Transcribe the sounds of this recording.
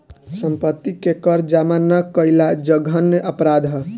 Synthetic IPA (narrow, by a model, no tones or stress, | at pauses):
səmpət̪ːikekəɾd͡ʒamanəkəjlad͡ʒəɡʱənʔəpɾad̪ʱɦə